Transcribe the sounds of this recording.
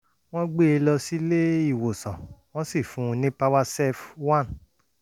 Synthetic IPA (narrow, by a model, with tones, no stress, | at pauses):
w̃ɔ̃˦ɡ͡be˦e˧lɔ˧si˦le˦i˦˨wo˨sã˨w̃ɔ̃˦si˦˨fũ˨˦˧nĩ˦pa˦wa˦sɛ˦fwã˦˨n